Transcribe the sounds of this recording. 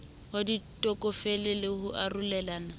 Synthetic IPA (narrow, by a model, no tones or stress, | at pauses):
haditʼɔkʼɔfɛlɪlɪhʊʔarulɛlaːna